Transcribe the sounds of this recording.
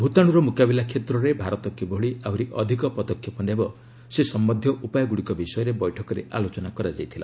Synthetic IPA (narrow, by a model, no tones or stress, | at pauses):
bʱut̪aɽ̃uɾɔmukabilakʰet̪ɾɔɾebʱaɾɔt̪ɔkiboɽiawɾiʔɔ̰d̪ʱikɔpɔd̪ɔkʰjɔpɔnabɔ | sesɔmːɔd̪ʱjɔʔupajɔɡuɽikɔbisɔjɔɾebɔjʈʰɔkɔɾḛʔa̰lot͡ʃɔnakɔɾad͡ʒajt̪ʰila̰